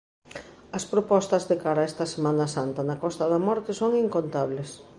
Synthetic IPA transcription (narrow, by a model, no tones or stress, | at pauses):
ɐspɾopɔst̪ɐzðekaɾɐaɛst̪ɐsemanɐsant̪ɐnɐkɔst̪ɐðɐmɔɾt̪ɪsoŋiŋkont̪aβ̞les